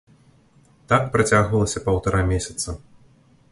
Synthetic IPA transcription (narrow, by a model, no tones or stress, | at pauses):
t̪akpɾat͡sʲaɣvɐlˠɐsʲɐpɐwt̪aɾamʲesʲɐ̥t̪sɐ